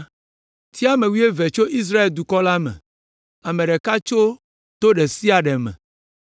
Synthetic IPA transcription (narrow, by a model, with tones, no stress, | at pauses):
t̪i˦a˦mẽ˨wi˦e˦ve˨t͡ʃo˦ʔi˦s̬ɾa˦e˨ld̪u˨kɔ˦la˦mɛ̰̃˨ | a˨mẽ˨ɖɛ˨ka˦t͡ʃo˦ | t̪o˦ɖe˨si˦a˨ɖɛ˨mɛ̰̃˨